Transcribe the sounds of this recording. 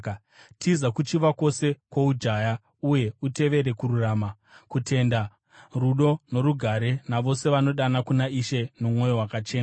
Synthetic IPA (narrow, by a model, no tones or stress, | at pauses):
tʰizakut͡ʃiʋako̞se̞kwoud͡ʒaja | uje̞ute̞ʋe̞ɾe̞kururaːma | kute̞nda | ruɗo̞no̞ɾuɡʱaɾe̞naʋo̞se̞ʋano̞ɗanakunaiʃe̞nomo̞jo̞wakat͡ʃe̞ːna